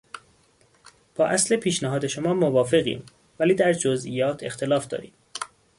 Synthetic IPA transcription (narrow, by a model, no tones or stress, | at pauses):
b̥ɒːʔæslepʰiːʃnæɦɒːd̪e̞ʃomɒːmovɒːfe̞ɣḭːm | væliːd̪æɾd͡ʒozʔḭjɒːt̪ʰe̞xt̪ʰe̞lɒːfd̪ɒ̰ːɾḭːm